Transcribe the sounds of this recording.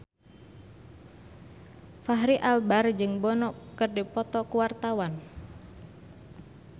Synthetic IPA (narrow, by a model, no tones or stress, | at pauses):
faɦɾiʔalbard͡ʒɨŋbɔnɔkɨrdipɔt̪ɔkuwart̪awan